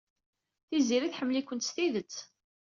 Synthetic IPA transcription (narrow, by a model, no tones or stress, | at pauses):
θiziɾiθħəmːlikʷːənt̪st̪iðət͡sː